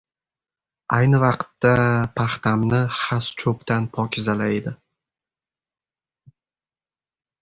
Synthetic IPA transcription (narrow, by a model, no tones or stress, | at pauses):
ajnɪvɑqt̪ːapʰaχt̪ʰamnɪχast͡ʃʰɵpt̪ʰanpʰɒkʰʲɪzalaed̪ɪ